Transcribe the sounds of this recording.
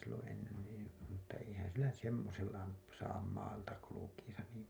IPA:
silːõː enːen niː mutːɑ eihæn silːæ nyt semːoselːɑ m sɑːm mɑːltɑ kulukiːsɑ niˑm

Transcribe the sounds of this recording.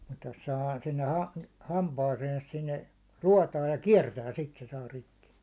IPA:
mut jos sɑhɑː sinːe hɑ hɑmpɑːseːns sinːe ruotɑːj jɑ kiɛrtæː sit se sɑː rikːi

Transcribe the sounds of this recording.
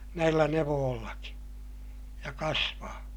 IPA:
næilːæ neʋoːlːɑki jɑ kɑsʋɑː

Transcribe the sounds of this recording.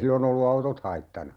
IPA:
silːon olːu ɑutot hɑitːɑnɑ

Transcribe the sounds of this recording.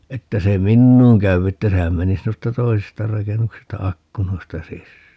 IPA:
etːæ se minːuːŋ kæyw etːæ sehæn menis noistɑ toisistɑ rɑkenːuksistɑ ɑkːunoistɑ sisːæː

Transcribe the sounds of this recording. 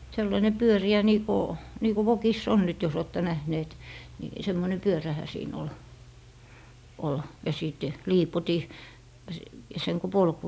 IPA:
selːɑine pyøriæ niː ko niː ku ʋokisː on nyt jos oːtːe næhneːt ni semːone pyøræhæ siːn ol ol jɑ sˑit liːpoti s seŋ ku polk

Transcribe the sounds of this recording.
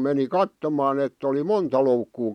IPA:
meni kɑtːomɑː etː oli montɑ loukːuː

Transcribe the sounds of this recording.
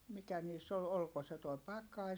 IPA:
mikæ niːsː ol olko se tuo pɑkˑɑi

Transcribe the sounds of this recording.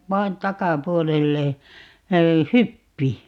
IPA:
ʋɑi̯n tɑkɑpuolelːe hypːi

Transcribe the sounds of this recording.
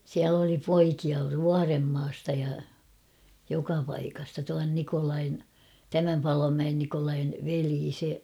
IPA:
siæl oli poikiɑ ʋuɑremːɑːstɑ jɑ jokɑ pɑikɑstɑ tuɑn nikolɑin tæmæm pɑlomæen nikolɑin ʋeliː se

